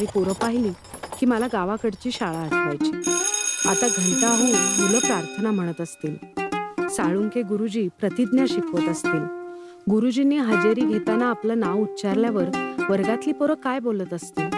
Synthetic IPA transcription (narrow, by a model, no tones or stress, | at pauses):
ɾipuɾəpaɦiliː | kiːməlaɡaʋakəɽt͡ɕiːɕaɭaːʈʰpajt͡ɕi | a̰t̪aɡʱəɳt̪aɦuːnmuləpɾaɾt̪ʰənam̤əɽ̃ət̪əst̪iːl | saɭuŋkeɡuɾud͡ʑiːpɾət̪id̪njaɕikʰʋət̪əst̪iːl | ɡuɾud͡ʑiniɦəd͡ʑəɾiːɡʱet̪anaːplənaʋut̪ːt͡ɕaɾljaʋəɾʋəɾɡat̪liːpuɾəkajbolət̪əst̪i